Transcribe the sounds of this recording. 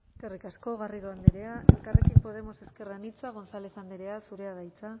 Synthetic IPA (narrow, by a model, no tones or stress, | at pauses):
eskerikasko̞ɣariðoand̪eɾe̞aʔe̞lkare̞kimpo̞ð̞e̞mo̞se̞ske̞ranit͡saɣ̞o̞nsaleθand̪eɾe̞asuɾe̞aðajt͡sa